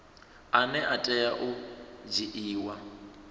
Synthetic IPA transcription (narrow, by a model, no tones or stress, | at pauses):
anɛʔatʼɛjaʔʊd͡ʒiʔiːwa